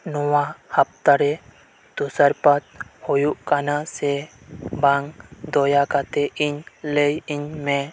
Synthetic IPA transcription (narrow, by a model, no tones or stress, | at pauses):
nɔwahap̚t̪aɾɛ | t̪usəɾpat̪̚hɔjuʔkanasɛ | baŋd̪ɔjakat̪ɛʔiɲlejiɲmɛ